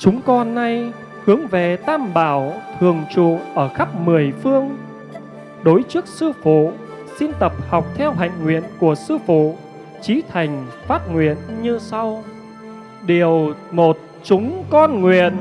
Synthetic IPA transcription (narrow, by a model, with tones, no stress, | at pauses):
t͡ɕʊ˨˦ŋ͡mkɔ˧nːa˧j | hɨ˨˦əŋve˨˩t̪aː˧mɓaː˧˩wt̪ʰɨ˨˩əŋt͡ɕṵ˧˨ʔəː˧˩xa˦˥p̚mɨ˨˩əjfɨ˧əŋ | ɗo˨˦jt͡ɕɨ˦˥ək̚sɨ˧fṵ˧˨ | si˧nt̪ə˨˩p̚ha˨˩wk͡p̚t̪ʰɛ˧wɦa̰˧˨jŋ̟ŋwḭ˧˨ənku˧˩əsɨ˧fṵ˧˨ | t͡ɕi˨˦t̪ʰa˨˩jŋ̟faː˦˥t̚ŋwḭ˧˨ənɲɨ˧sa˧w | ɗi˨˩əwmo˨˩t̚ | t͡ɕʊ˨˦ŋ͡mkɔ˧nŋwḭ˧˨ən